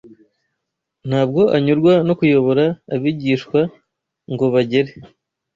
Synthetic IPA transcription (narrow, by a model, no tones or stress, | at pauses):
n̥haːb̚ɡo̞ʔaɲuɾɡwano̞kujo̞βo̞ɾaːβiɟiːʃkwa | ŋɡo̞βaɟe̞ɾe